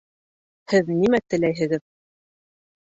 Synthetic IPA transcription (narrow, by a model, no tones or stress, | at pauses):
hɘðnimæt̪ɘ̆læjɦɘ̆ɡɘð